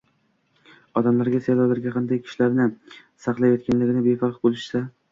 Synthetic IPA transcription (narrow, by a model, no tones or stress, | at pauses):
ɒd̪amlaɾɡʲasejlɒwlaɾɡʲaqʰɑnd̪ajkʲʰɪ̥ʃlaɾnɪsɑqlˠajɒt̪kʲʰanlɪɡʲɪnɪbefɑqbolˠɪʃsa